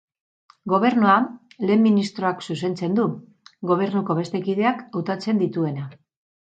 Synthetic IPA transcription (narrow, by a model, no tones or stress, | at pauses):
ɡo̞β̞e̞ɾnua | le̞ːmːinist̪ɾo̞aksus̬e̞nt͡se̞nd̪u | ɡo̞β̞e̞ɾnuko̞βe̞st̪e̞kið̞e̞akawt̪at͡se̞nd̪it̪ue̞na